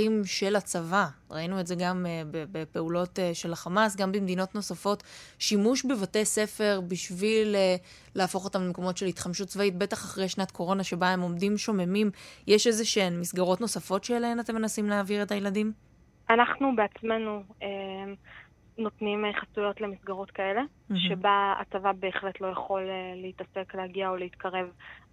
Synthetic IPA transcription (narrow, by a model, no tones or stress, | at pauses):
imʃe̞lat͡savaʁainuetzeɡamebebepe̞ulo̞teʃe̞laχamasɡambemd̪ino̞tno̞safo̞tʃimuʃbevate̞se̞fe̞ʁbiʃvileː | eafo̞χo̞tamlemeko̞mo̞tʃelit̪χamʃut̚t͡svait̚be̞taχaχʁejʃnatkʰo̞ʁo̞naʃe̞bae̞mo̞mdimʃo̞me̞mimjeʃezeʃenmisɡaʁo̞tno̞safo̞tʃeːlaɦenate̞mːenasimleaviʁe̞tajeladim | ʔanaχnubeat͡sme̞nue | no̞tnimχasujo̞tle̞misɡaʁo̞tkaele̞ | ʃebaa̰tavabe̞ːχle̞tlo̞jaχo̞leːeitase̞kleaɡiaoleit̪kaʁe̞v